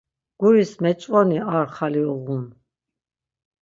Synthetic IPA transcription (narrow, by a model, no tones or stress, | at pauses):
ɡ̥uɾismɛt͡ʃʼqʼɔniaɾχaliɔʁun